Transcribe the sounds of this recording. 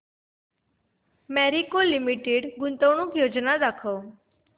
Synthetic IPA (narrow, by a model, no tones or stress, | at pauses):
mɛɾikolimiʈeɖɡʊnt̪əwɳ̃ukjod͡ʒnad̪akʰo